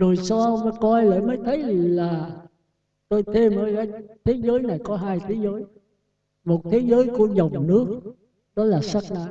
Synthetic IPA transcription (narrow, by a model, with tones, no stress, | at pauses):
zu˨˩jsɔ˧mə˨˦kɔ˧jlə̰ː˧˨məː˨˦jt̪ʰə˨˦jlaː˨˩ | t̪o˧jt̪ʰe˧mʔəː˧˦˩kaː˨˦jt̪ʰe˨˦zəː˨˦jna˨˩jkɔ˨˦ɦaː˧jt̪ʰe˨˦zəː˨˦j | mo˨˩t̚t̪ʰe˨˦zəː˨˦jku˧˩əzə˨˩wŋ͡mnɨ˦˥ək̚ | ɗɔ˨˦laː˨˩sa˦˥k̚ɗa̰˧˦